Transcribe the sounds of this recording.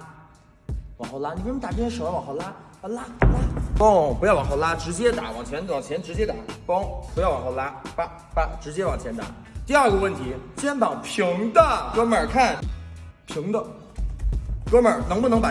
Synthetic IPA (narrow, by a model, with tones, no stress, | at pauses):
wɑ˨˩ŋxo˧la˥ni˨˩pu˥˩˥t̪a˨˩pjɛ˥˩˥ʂo˨˩ʊa˥˩wɑ˨˩xla˥ | a˥˧la˥˧˩a˥˩po˥˩ŋpu˧jɑ˥˩ʊwɑ˨˩xo˥˧˩la˥ʈ͡ʂɻ̩˧˥t͡ɕjɛ˥t̪a˨˩˦wɑ˨˩ŋt͡ɕʰjɛ˧˥nwɑ˨˩ŋt͡ɕʰjɛ˧˥nʈ͡ʂɻ̩˧˥t͡ɕjɛ˥t̪a˨˩˦po˥ŋpu˧˥jɑ˥˩ʊwɑ˨˩xo˥˧ʊla˥pa˧˩ | pa˥˩ʈ͡ʂɻ̩˧˥t͡ɕjɛ˥wɑ˨˩ŋt͡ɕʰɛ˧˥nt̪a̰˨˩˦ | t̪i˥˧a˞˥˩ɡə˩wə˥˩nt̪ʰi˧˥t͡ɕjɛ˥npɑ˨˩ŋpʰi˧˥ŋd̪ə˧˨kɤ˥mə˞˨˩kʰa˥˩npʰi˧˥ŋd̪ə˧ | kɤ˥mə˞˨˩n˧˥ŋpu˥˩nɤ˧˥ŋpa˨˩